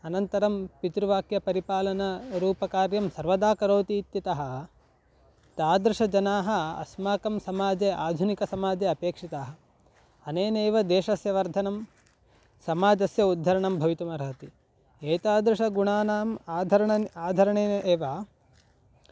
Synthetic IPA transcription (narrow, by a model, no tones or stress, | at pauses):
ɐnɐnt̪ɐɾɐmpit̪ɾuʋaːkjɐpɐɾipaːlɐnɐɾuːpɐkaːɾjɐmsɐɾʋɐd̪aːkɐɾoːt̪iːt̪jɐt̪ɐɦɐ̆ | t̪aːd̪ɾuʂɐd͡ʒɐnaːɦɐɐ̰smaːkɐmsɐmaːd͡ʒeʔaːd̪ʱunikɐsɐmaːd͡ʒeɐpeːkʂit̪aːɦɐ | ɐneːneːʋɐd̪eːʃɐsjɐʋɐɾd̪ʱɐnɐm | sɐmaːd͡ʒɐsjɐud̪ʱːɐɾɐɳɐmbʱɐʋit̪umɐɾaːt̪i | eːt̪aːd̪ɾuʂɐɡuɳaːnaːmaːd̪ʱɐɾɐɳɐaːd̪ʱɐɾɐɳeːeːʋɐ